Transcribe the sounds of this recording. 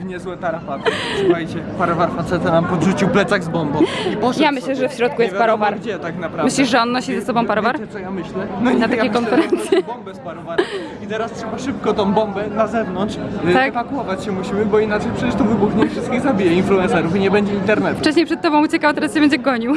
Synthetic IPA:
vɲɛzwɛt̪aɾafat̪sxajt͡ɕɛpaɾɔvaɾfat̪sɛt̪anampɔd̪ʐut͡ɕiwplɛt̪saɣzbɔmbɔ̃wjamɘɕlɛʐɛfɕɾɔt̪̚kujɛst̪paɾɔvaɾd͡ʑɛt̪aknapɾamɘɕlʲiʂʐɛɔnːɔɕizɛsɔbɔ̃w̃paɾɔvaɾɛt̪ɔjamɘɕlɛnnat̪aɛkɔnfɛɾɛnt̪sʲjɛbɔmbɛspaɾɔvaɾ | it̪ɛɾastʂɛbaʂɘp̚kɔt̪ɔ̃w̃bɔmbɛnazɛvnɔntʂt̪aɛvakuwɔvat͡ɕɕɛmuɕimɘbɔinat͡ʂɛjpʂɛt͡ɕɛʂt̪ɔvɘbuxɲefʂɘst̪kʲiɣzabʲijɛinfluɛnsɛɾufiɲɛbɛɲd͡ʑɛint̪ɛɾnɛt̪ft͡ʂɛɕ̬ɲejpʂɛt̪̚t̪ːɔbɔ̃w̃ut͡ɕɛkawt̪ɛɾasɕɛbɛɲd͡ʑɛɡɔɲiw

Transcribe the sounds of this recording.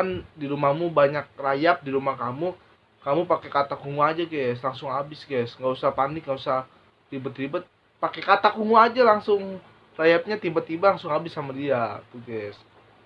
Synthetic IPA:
andiɾumahmubaɲak̚rajap̚diɾumahkamu | kamupakekat̪akuŋuad͡ʒaɡɛslaŋsʊŋabɪsɡɛsŋɡausahpanɪkŋɡausah | ɾibət̪ɾibət̪̚ | pakekat̪akuŋuad͡ʒalaŋsʊŋ | rajap̚ɲat̪ibat̪ibalaŋsʊŋabɪsːamadiat̪uɡɛs

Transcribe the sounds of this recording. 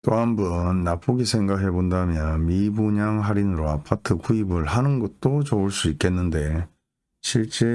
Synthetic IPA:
t͈oɦambʌnːap͈ʰuɡisʰe̞ŋɡakɦe̞bondamjʌnmibuɲaŋɦaɾinɯɾoapʰatʰɯkuibɯɭhanɯnɡʌt̚t͈ot͡ɕouɭs͈uik͈e̞nːɯnde̞ | ɕʰiɭt͡ɕ͈e̞

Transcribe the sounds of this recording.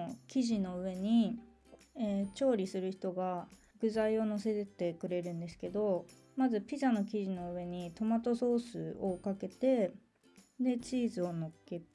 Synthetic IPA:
kʲiʑino̞ɯ̟βe̞ɲ̟i | eːt͡ɕo̞ːɾʲisɨɾɯ̟çi̥t̪o̞ɡa | ɡɯ̟zaio̞no̞se̞t̪et̪e̞kɯ̟ɾe̞ɾɯ̟̃nd̪e̞sɨ̥ke̞d̪o̞ | mazɨpʲizano̞k̬ʲiʑino̞ɯ̟e̞ɲ̟it̪o̞mat̪o̞so̞ːsɨokake̞t̪e̞ | d̪e̞t͡ɕiːzɨo̞no̞ke̞

